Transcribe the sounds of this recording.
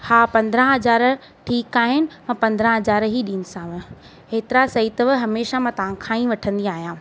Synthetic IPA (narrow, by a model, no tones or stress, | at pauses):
haːpɐ̃nd̪ɾə̃ɦɐzaːɾ | ʈʰiːkaːɦɪnɪ̆mãːpɐ̃nd̪ɾə̃ɦɐzaːɾɦiɗiːnɪsãʋɪ̆ | ɦeːt̪ɪɾasɐit̪əʋɦɐmeːʃamãːt̪ɐʋ̤ãkʰãːĩʋɐʈʰə̃nd̪iaːɦijãː